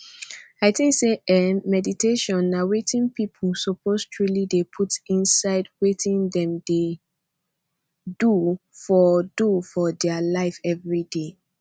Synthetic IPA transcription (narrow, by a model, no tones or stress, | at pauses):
aɪθĩŋkseɛmɛditʰeʃɔ̃nːawetĩnpipʰl̩sɔpostʰɹulidepʰutĩnsaɪdwetĩndɛ̃mde | dufɔdufɔdɛalaɪfɛvɹide